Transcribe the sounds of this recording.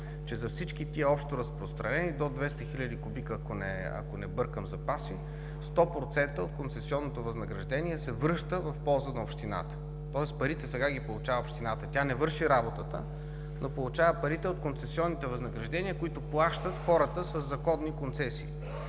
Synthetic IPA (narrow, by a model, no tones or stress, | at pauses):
t͡ʃɛzɐfsit͡ʃkit̪iəɔpʃt̪oɾɐspɾost̪ɾɐnɛnid̪od̪vɛst̪əxilʲəd̪ikʊbikɐkonɛ̰ɐ̰konɛbɤɾkəmzɐpasi | st̪ɔpɾot̪sɛnt̪əot̪̚kont̪sɛsiɔnːot̪ovɐznɐɡɾɐʒd̪ɛnʲiɛsɛvɾɤʃt̪əvɐfpɔlˠzənɐopʃt̪ina̰t̪ə̥ | t̪ɔɛspɐɾit̪ɛsɛɡaɡʲipolˠut͡ʃavəopʃt̪inat̪ət̪ʲanɛvɤɾʃiɾabot̪ət̪ə̰ | nopolˠut͡ʃavəpɐɾit̪ɛot̪̚kont̪sɛsiɔnːit̪ɛvɐznɐɡɾɐʒd̪ɛnʲiəkoit̪oplˠaʃt̪ət̪xɔɾət̪əsɐzːɐkɔd̪nikont̪sɛsiː